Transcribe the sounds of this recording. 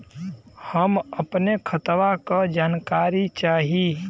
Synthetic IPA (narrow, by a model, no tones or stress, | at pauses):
həmɐpnekʰət̪ʋakad͡ʒaːnkaːɾit͡ʃaːɦi